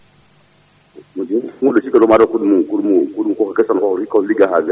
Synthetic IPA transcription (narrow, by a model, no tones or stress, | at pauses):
mudiulsikalomaɾakudumukuɾmukuduukokakɛsankɔikaliɡaɦaɡa